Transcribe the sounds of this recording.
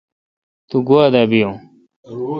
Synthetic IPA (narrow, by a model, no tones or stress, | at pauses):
t̪uɡuad̪aːbijõ